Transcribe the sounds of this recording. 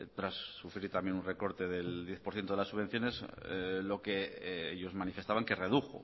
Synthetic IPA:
t̪ɾasːufɾiɾt̪amje̞nunre̞ko̞ɾt̪e̞ðeld̪je̞θpoɾθjent̪oelasuβe̞n̟θjo̞neslo̞ke̞eʎo̞zmanifest̪aβaŋke̞re̞ðuxo̰

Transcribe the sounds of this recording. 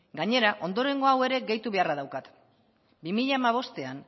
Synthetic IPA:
ɡaɲe̞ɾaʔo̞nd̪o̞ɾe̞ŋɡo̞awe̞ɾe̞ɡe̞jt̪uβe̞araðawkat̪ | bimiʎaːmaβ̞o̞st̪e̞an

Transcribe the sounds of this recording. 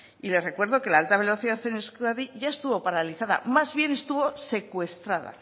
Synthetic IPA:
ile̞sre̞kwe̞ɾð̞o̞ke̞laalt̪aβe̞lo̞θiðaθeneskɾaðiʝaest̪uβo̞paɾaliθaða̰mazβje̞ne̞st̪uβose̞kwe̞st̪ɾaða̰

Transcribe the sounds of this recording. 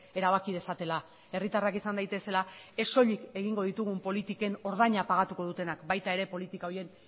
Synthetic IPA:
e̞ɾaβ̞akið̞esat̪e̞la | e̞rit̪arakisand̪ajt̪e̞se̞lae̞so̞ʎike̞ɣiŋɡo̞ðit̪uɣ̞umpo̞lit̪ike̞no̞ɾð̞aɲapaɣat̪uko̞ð̞ut̪e̞nakbajt̪ae̞ɾe̞po̞lit̪ikaoɾie̞n

